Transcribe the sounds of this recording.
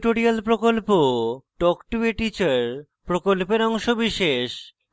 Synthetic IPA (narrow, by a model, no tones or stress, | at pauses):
ʈoɾialpɾokolpoʈɔkʈueʈit͡ɕaɾ | pɾokolpeɾɔŋʃobiʃeʃ